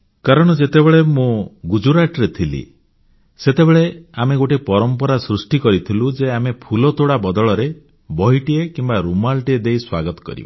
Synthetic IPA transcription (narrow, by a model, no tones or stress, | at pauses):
kaɾɔɽ̃ɔd͡ʒet̪ebeɭemũɡud͡ʒuɾaʈɾet̪ʰilḭ | set̪ebeɭeameɡoʈepɔɾɔmpɔɾasɾusʈikɔɾit̪ʰilud͡ʒeamepʰulɔt̪oɽabɔd̪ɔɭɔɾe | bɔɦiʈiekimbaɾumalʈied̪ejswaɡɔt̪ɔ̥kɔ̰ɾḭbɔ